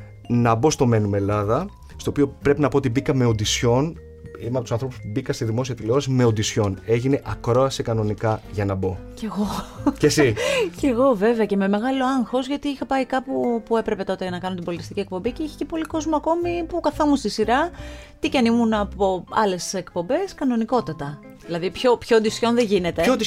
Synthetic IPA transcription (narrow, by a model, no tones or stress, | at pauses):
nɐbo̞st̪o̞me̞nume̞lɐðɐ | st̪o̞ːpio̞pɾe̞pinɐpo̞ot̪ibikɐme̞ond̪isço̞n | imeɐpot̪usɐnθɾo̞pu̥spubikɐst̪izðimo̞siɐt̪ileoɾɐsime̞ond̪isço̞ne̞ʝine̞ʔɐkɾo̞ɐsikɐno̞nikɐʝɐnɐbo̞ce̞ɣo̞cesice̞ɣo̞ve̞veɐce̞me̞me̞ɣɐlo̞ɐŋxo̞zʝɐt̪iixɐpɐikɐpupue̞pɾe̞pe̞t̪o̞t̪eʝɐnɐkɐnunt̪ibo̞lit̪ist̪iciek̚po̞mbiceiçe̥ce̞po̞liko̞zmoɐko̞mipukɐθɐmust̪isiɾɐ | t̪icɐnimunɐpo̞ɐle̞se̞kpo̞mbe̞skɐnoniko̞t̪ɐt̪ɐ | ðilɐðipço̞pçoond̪isço̞nðeʝine̞t̪e̞